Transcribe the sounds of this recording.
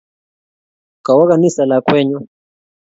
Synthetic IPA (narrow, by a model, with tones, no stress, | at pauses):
ka˨wa˦ka˨ni˦sa˨la˨kwɛ˦ɲɔ˦